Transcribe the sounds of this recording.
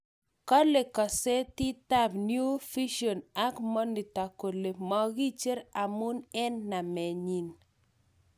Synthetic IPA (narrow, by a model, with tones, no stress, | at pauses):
kɔ˦le˨kɔ˨se˦ti˦ta˦pnju˦fi˦ʃo˨na˦kmɔ˦ni˨ta˨ko˨le˨mɔ˨ɣi˦t͡ʃe˦ɾa˨mʊ˦nɛ˦nːa˨mɛ˨ɲi˨n